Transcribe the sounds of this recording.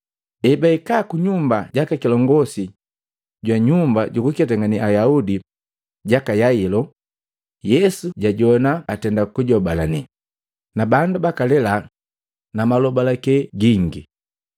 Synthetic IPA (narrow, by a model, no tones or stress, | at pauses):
ɛbaikaːkuɲumbaɟakakilɔŋɡɔsi | ɟwaɲumbaɟukukɛtaŋɡaniʔajaudi | ɟakajailɔ | jɛsuɟaɟɔnaːtɛndakuɟɔbalani | nabandubakalɛla | namalɔbalakɛɡiŋɡi